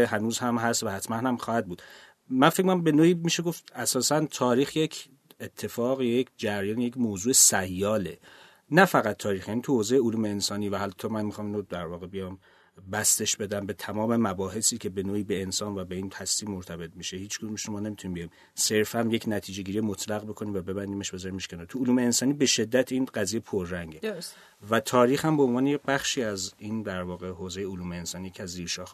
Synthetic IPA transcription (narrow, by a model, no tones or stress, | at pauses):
eɦænuːzhæmɦæst̪væhæt̪ʰmænhæmχɒːhæd̪̚buːd̪̥ | mænfek̚moæmbe̞noːiːmiʃeɡo̞ft̪æsɒːsænt̪ʰɒːɾiːxje̞cʰ | et̪ʰːe̞fɒːɣjjecʰd͡ʒæɾjɒːnejecʰmoːzuːesæjːɒːle̞̰ | næfæɣæt̪ʰːɒːɾiːxjæniːt̪ʰuhozejeoluːmeːnsɒːniːvæhælt̪ʰːɒːmænmixɑːminɾod̪æɾvɒːɣe̞bijɒːm | bæst̪e̞ʃbe̞d̪æmbe̞t̪ʰæmɒːme̞mæbɒːɦe̞siːcʰe̞be̞noːiːbe̞ensɒːnvæbe̞iːnt̪ʰæsliːmːoɾt̪ʰæbe̞t̪̚miʃehiːt͡ʃɡumeʃnomɒːne̞mit̪ʰunimbejim | se̞ɾfæmje̞cʰnæt̪ʰiːd͡ʒe̞ɟiːɾijemot̪ʰlæɣbe̞kʰo̞niːmvæbe̞bænd̪iːme̞ʃbe̞zɒːɾimːeʃkenɔt̪ʰuuluːmeːnsɒːnibe̞ʃe̞d̪ːæt̪ʰiːnɢæziːjepʰoɾːæŋɡɟeds | væt̪ʰɒːɾiːxhæmboonvɒːnejebæχʃiːæziːnd̪æɾvɒːɣe̞ɦoze̞jeuluːmeːnsɒːnijecʰeæzziːɾʃɒːx